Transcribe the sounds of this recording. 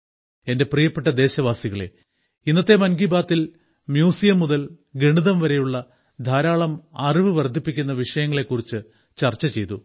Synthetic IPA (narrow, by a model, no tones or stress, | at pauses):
e̞nde̞prijɐpːeʈːɐd̪e̞ːɕɐʋaːsiɣɐɭe̞̰ | inːɐt̪ːe̞mɐnɡibaːt̪ːil | mjuːsijɐmːuðɐl | ɡeɳiðɐmʋɐɾe̞juɭːɐ | d̪ʱaːɾaːɭɐmɐriʋɨʋɐrd̪ʱipːikʲːun̪ːɐʋiʂɐjɐŋːɐɭe̞kːurit͡ɕːɨ | t͡ɕɐrt͡ɕːɐt͡ɕe̞jt̪u